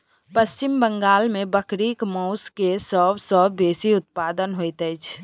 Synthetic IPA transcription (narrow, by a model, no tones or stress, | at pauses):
pəst͡ʃimbəŋɡaːlmebəkɾikmɔʊskesəbʱsəːesiʊt̪̚pad̪ənɦojt̪əɪt͡ʃʰ